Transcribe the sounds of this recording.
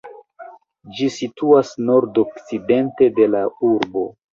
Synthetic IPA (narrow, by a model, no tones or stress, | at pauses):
d͡ʒisituasno̞ɾdokt͡side̞nte̞de̞lauɾbo̞